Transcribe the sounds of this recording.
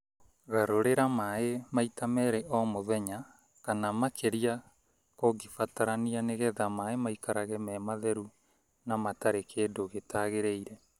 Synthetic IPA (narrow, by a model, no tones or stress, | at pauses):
ɣaɾoɾeɾamaemaitamɛɾɛʔɔmoðɛɲa | kanamakʰeɾia | koɡifataɾanianeɣɛðamaemaikaɾaɣɛmɛmaðɛɾu | namataɾekʰeːdoɣetaːɣeɾeiɾɛ